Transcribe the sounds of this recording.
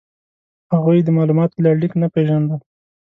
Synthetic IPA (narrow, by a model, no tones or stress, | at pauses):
haɣujd̪əmɑlumɑt̪laɽiknapeʒand̪əl